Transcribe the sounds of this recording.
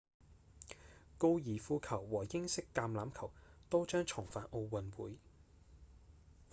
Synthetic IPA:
ko˥wjiː˨˩fuː˧kʰɐ˨˩wːɔː˨˩jɪ˥ŋsɪ˥kːaː˧mlaː˨˥mkʰɐ˨˩wt̪o˥wt͡ʃœː˥ŋt͡ʃʰʊ˨˩ŋfaː˨˩nʔo˧wwɐ˨nwṵː˨˥j

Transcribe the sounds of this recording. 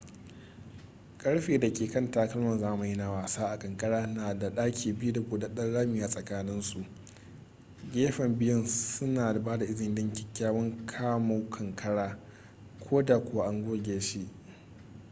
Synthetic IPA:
kʼɐ˦ɽɸeː˨da˨kʲeː˨kɐ˦˨ntaː˨kɐ˦lmɐ˨nzaː˦˨mu˨ji˦na˨waː˨saː˦ʔa˨kʼɐ˨ŋkʼɐ˦ɽaː˦naː˨da˨ɗaː˦kʲʰiː˨bɪ˦ju˦da˨kʷoː˨da˨ɗɐ˦nɽaː˦mi˨jaː˦˨sʼɐ˨kaː˦nɪ˦nsu˨ʔ | ɡʲeː˦ɸɐ˨mbɪ˦jʊ˦nsʊ˦naː˨baː˦da˨ʔɪ˦zɪ˨˦dɪ˦ŋkʲɪ˦kʲːaː˦wɐ˦ŋkʰaː˦ma˨wkʰɐ˨ŋkʼɐ˦ɽaː˦ | kʷʰoː˦da˨kʷʊ˦wa˦ʔa˦ŋɡʷoː˦ɡʲeː˨ʃi˦ʔ

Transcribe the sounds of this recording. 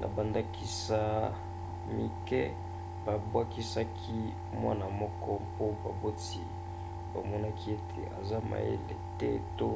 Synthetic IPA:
nʔa̰˨ba˨nda˦ki˦sa˨ | mi˨kɛ˦ | ba˨bwa˦ki˦sa˦kʰi˦ | mwa˦na˨mɔ˦kɔ˦mpo˦ba˨bo˦ti˦ | ba˨mɔ˦na˦kʰi˦e˦tʰḛ˨ʔa̰˨za˦ma̰˨jḛ˦lḛ˨tɛ˦to˦

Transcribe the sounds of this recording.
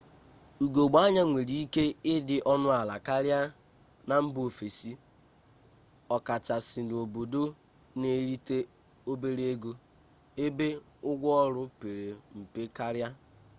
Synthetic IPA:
u˨ɡo˨ɡ͡ba˦ɲa˦ŋʷe˨ɾi˦i˦ke˦ɪ˦dɪ˨ʔɔ˦nʊ˦a˨la˨ka˦ɾja˦ | na˨m̩˦bo˨fe˨si˦ | ɔ˨ka˨t͡ʃa˨sɪ˨do˨bo˨do˦ | ne˨˦ɾi˦te˦ | o˦be˦ɾe˦e˦ɡo˦ | e˦be˦ | ʊ˦ɡʷɔ˦ɔ˦ɾʊ˦pe˨ɾe˨m̩˨pe˦ka˦ɾja˦

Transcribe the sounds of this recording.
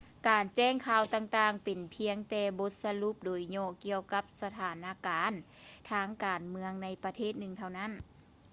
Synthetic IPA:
kaː˨˩nt͡ɕɛː˥˩˨ŋkʰaː˧˩wt̪aː˧˩ŋt̪aː˧˩ŋpe˨npʰi˧˥əŋt̪ɛː˧bo˧˥t̪̚sa˧lu˧˥p̚doː˨˩jɲɔː˧˩ki˧əwka˧˥p̚sa˧t̪ʰaː˨˩˦nʔaː˧˥kaː˨˦n | t̪ʰaː˧˥ŋkaː˨nmɯ˧əŋna˧˥jpa˧t̪ʰeː˥˩t̪̚nɯ˧˨ŋt̪ʰa˧˩wna˦˥˨n

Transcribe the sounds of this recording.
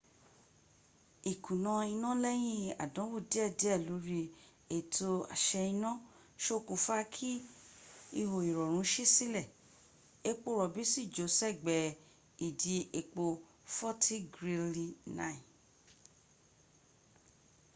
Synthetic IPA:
i˨kʰũ˨nɔ̃˧i˧nɔ̃˦lɛ˦j̃ĩ˦a̰˨dɔ̃˨˦wo˦˨di˨˦ɛ˦˨di˨˦ɛ˦˨lo˨˦ɾi˧ | e˨tʰo˧a̰˨ʃɛ˧i˧nɔ̃˦ | ʃo˦kũ˨fa˦kʰi˦ | i˧ho˨i˨ɾɔ˨ɾ̃ũ˨˦ʃe˦si˦lɛ˦˨ | e˦k͡po˦˨ɾɔ˨bi˨˦si˦˨d͡ʒo˨˦sɛ˦˨ɡ͡bɛ˨ | i˨di˧e˨k͡po˧ | fɔ˦tʰi˦ɡɾi˧li˦nã̰˦˨ĩ˨

